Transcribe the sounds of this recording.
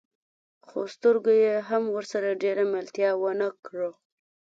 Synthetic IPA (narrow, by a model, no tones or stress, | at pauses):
xost̪əɾɡojeɦamwəɾsaɾaɖeɾamɪlt̪jɑwənakɻo